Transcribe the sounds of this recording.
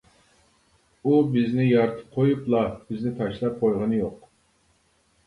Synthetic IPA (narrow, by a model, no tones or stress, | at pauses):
ubɪznɪjɑɾt̪ʰɨ̥p̚qʰojuplˠɑbɪznɪt̪ʰɑʃlˠɑp̚qʰojʁɑnɨjoq